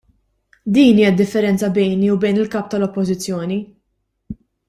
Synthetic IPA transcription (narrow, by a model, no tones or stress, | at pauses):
d̪iːniːjɛd̪ɪfːɛɾɛnt͡sɐbɛjniubɛjnɪlkɐːp̚t̪ɐlɔpːɔzɪt͡sːjɔːni